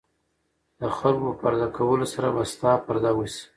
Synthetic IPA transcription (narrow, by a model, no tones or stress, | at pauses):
d̪əxalkopaɾd̪akʰawəlosaɾabast̪ɑpaɾd̪awis